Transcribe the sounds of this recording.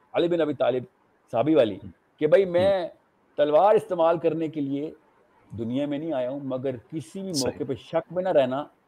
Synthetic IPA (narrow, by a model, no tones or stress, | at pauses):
ɐlɪbɪnɐbiːt̪aːlɪb | saːbʱiʋaːlḭː | kebʱɐimɛ̃ː | t̪ɐlʋaːɾɪst̪eːmaːlkɐɾnekelie | d̪ʊnijamẽnɐɦĩaːjaɦũmɐɡəɾkɪsibʱimɔːkepɐʃɐkmẽnɐɾɛɦnaː